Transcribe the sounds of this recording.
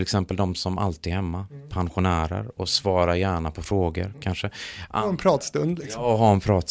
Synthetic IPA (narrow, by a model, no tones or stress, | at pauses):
ɪlɛksɛmpəld̪ɔmsɔma̰lt̪iːd̪ɦɛmːapʰanɧʊnæːɾə̰ɾɔsvɑːɾajæːɳapʰɔfɾoːɡə̰ɾkʰanʂəʔaɛnpʰɾɑːt̪st̪ɵnd̪lɪksɔɦaɛnpʰɾɑːt̪